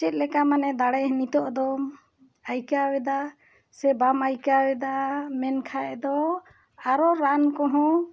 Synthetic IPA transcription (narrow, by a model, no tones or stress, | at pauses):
t͡ʃɛt̪̚lɛkamanɛd̪aɽɛɦənit̪ɔʔd̪ɔ | ajkawɛd̪a | sɛbamajkawɛd̪amɛnkʰaɛd̪ɔ | aɾɔɾankɔɦɔ̃